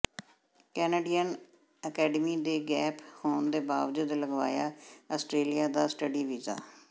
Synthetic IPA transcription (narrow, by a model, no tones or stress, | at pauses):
kɛːneːɖiːən | əkɛːɖəmiːd̪eːɡɛːpʰhoːnd̪eːbaːʋd͡ʒʊd̪ləɡʋa̰ːjaːəːsʈɾeːlijaːd̪aːsʈəɖiːʋiza̰ː